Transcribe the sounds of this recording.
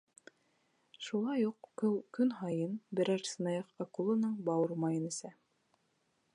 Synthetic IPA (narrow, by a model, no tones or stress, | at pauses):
ʃulˠɑjuqkɵwkɵnɦɑjɤnbɘ̆ɾæɾsɤ̆nɑjɑqqɑqulˠɤ̆nɤɴbɑwɤɾmɑjɤ̆nɘ̆sæ